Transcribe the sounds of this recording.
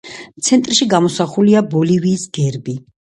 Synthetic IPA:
t̪sʰɛnt̪ʼɾʃiɡamɔsaχuliabɔliviːsɡɛɾbi

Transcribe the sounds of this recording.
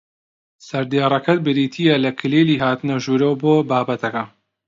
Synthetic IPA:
sɐɾd̪eːrˤɐkɐt̪̚bɨɾiːt̪ʰiːjɐlɐkʰɨleːliːɦaːt̪ɨnɐʒuːɾowboːbaːbɐt̪ʰɐkɐ

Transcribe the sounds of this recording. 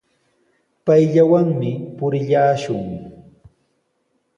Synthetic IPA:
pajʎawaŋmɪpʊɾɪʎaːʃʊŋ

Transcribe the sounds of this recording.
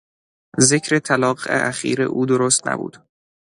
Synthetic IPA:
ze̞cʰɾet̪ʰælɒːɢḛʔæxḭːɾḛʔuːd̪oɾoːst̪næ̰bṵːd̪̥

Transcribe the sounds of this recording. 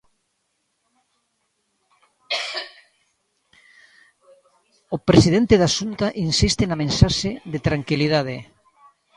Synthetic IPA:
opɾesiðent̪eðasunt̪aʔinsist̪ɪnamẽnsaʃeðet̪ɾaŋkiliðað̞e

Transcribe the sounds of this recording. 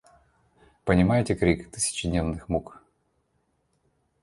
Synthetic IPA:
pənʲɪmajɪtʲɪkɾʲikt̪ɨ̥sʲɪ̥t͡ɕɪdʲnʲevnɨxmuk

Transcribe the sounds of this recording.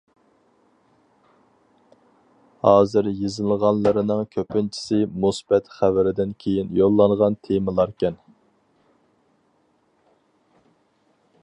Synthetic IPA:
hɑːzɨɾjizɨlˠʁɑnlˠəɾɨnɨŋkʲʰøpɪnt͡ʃʰi̥sɪmusbɛt̪χævɪɾɪd̪ɪnkʲʰejinjolˠːɑŋʁɑnt̪ʰemɨlˠɑɾkʲʰɛn

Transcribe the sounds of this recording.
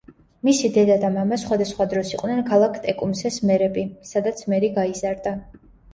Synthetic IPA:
misid̪ɛd̪ad̪amamasχwad̪asχwad̪ɾɔsiqʼwnɛnkʰalˠakʰt̪ʼɛkʼumsɛsmɛɾɛbisad̪at̪sʰmɛɾiɡaizaɾd̪a

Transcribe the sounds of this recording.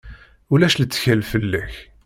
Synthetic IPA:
ulæʃlət͡sːçælfəlːæç

